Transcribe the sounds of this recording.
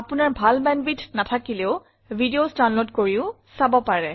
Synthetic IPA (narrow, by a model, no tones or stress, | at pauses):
apʊnaɹbʱalbɛnbitʰnatʰakileʊ | bʱidiostanlotkoɹiʊ | sabɔpaɹɛ